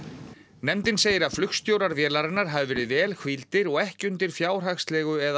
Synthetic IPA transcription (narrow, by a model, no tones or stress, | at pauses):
nɛmt̪ɪnseːjɪɾaðflʏxst̪joːwɾaɾvjɛːlaɾɪnːaɾ̥ɦavɪvɛːɾɪðvɛːlkvilt̪ɪɾɔɣɛhcʏnt̪ɪɾ̥fjaːwr̥axst̪lɛːɣʏɛð